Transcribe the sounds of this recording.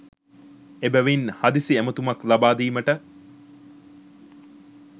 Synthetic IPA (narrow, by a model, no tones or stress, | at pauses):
ebæʋinhad̪isiæmət̪umaklabaːd̪iːməʈə